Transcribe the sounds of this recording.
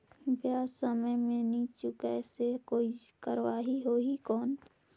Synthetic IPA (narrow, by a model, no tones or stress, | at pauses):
bjaːsəməjmẽnit͡ʃukɛsekoːikəɾʋaːɦiɦoːikɔːn